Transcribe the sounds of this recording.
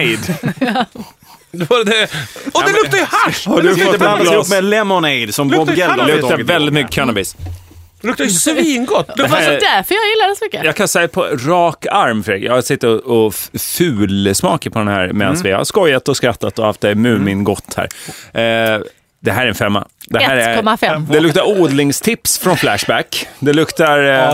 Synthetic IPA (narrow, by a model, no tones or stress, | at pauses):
d̪ | d̪vad̪ɛɔd̪ɛlʊkkt̪ajəhaʃhadɔt̪lmɛlɛmɔnɛɪd̪sɔmɔɛlːlɵkt̪avɛld̪ɪt̪mʏkːə̥kʰanabɪs | ʊkt̪sviːnɡɔt̪ːd̪ɛɦæd̪æɾfœjɑːɡjɪlːad̪ɛsɔmʏkːəjɑːɡkʰansɛpʰɔɾɑːkaɾmfœɾɛɡjɑ̰ɡhasɪt̪ːɪɔɔfʉ̟ːlsmɑːkəpʰɔd̪ɛnhæ̰ːɾmɛd̪ansvɪha̰skɔjːat̪ɔskɾat̪ːat̪ɔha̰ft̪ɛmʉ̟ːmɪnɡɔt̪ːhæ̰ːɾ | d̪ɛɦæːɾɛɾɛnfɛmːa̰d̪ɛæːɾɛkɔmːafɛd̪ɛlɵk̚t̪aɾuːd̪lɪŋst̪ʰɪpsfɾɔnflæʂbækd̪ɛlɵkt̪a